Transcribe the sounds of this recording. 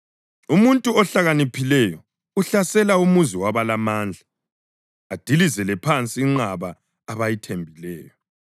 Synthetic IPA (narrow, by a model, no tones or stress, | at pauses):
umuntʼuɔɬaɣanipʰilɛjɔ | uɬasɛlaumuziwaβalamaːnd͡ɮʱa | ad̥ʱilizɛlɛpʰant͡sʼiːŋ͡ǁaβaː | βajitʰembʱilɛːjɔ